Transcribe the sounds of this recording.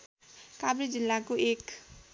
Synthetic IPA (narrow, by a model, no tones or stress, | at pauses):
kabɾid͡zilːakoek